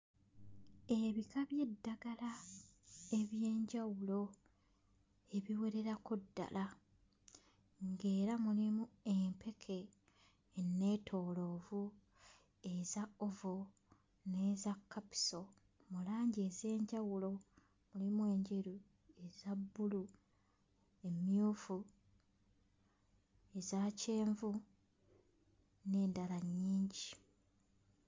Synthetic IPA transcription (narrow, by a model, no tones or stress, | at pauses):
e̞βikʰaβje̞dːaɡala | e̞βje̞ːɲɟawulo̞ | e̞βiwe̞ɾe̞ɾakodːa̰la | ŋɡe̞ːɾamulimue̞mpʰe̞kʰe̞ | nːe̞ːtʰo̞ːlo̞ːvu | e̞zaovo | ne̞ːzakʰːapi̥so̞ | mulaːɲɟieze̞ːɲɟawulo̞ | mulimwe̞ːɲɟeɾu | e̞zabːulu | e̞mjuːfu | e̞zace̞ːɱvu | ne̞ːndalaɲːiːɲɟi